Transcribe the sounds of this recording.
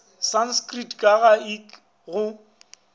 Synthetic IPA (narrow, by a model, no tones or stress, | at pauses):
sanskʼritkʼaɣaik | ɣʊ